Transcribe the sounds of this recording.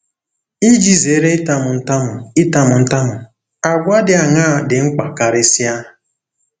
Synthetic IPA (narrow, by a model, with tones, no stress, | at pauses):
i˦d͡ʒi˦ze˨˦ɾe˦ɪ˦ta˦mʊ˨n̩˦ta˦mʊ˨ɪ˦ta˦mʊ˨n̩˦ta˦mʊ˨ | a˨ɡʷa˦dɪ˦a˨ŋa˦˨dɪ˨ŋ͡m̩˦k͡pa˨ka˨ɾɪ˦sja˦